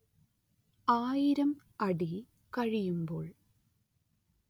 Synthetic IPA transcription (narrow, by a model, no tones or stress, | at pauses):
aːjiɾɐm | ɐɽi | kɐɻijumbo̞̰ːɭ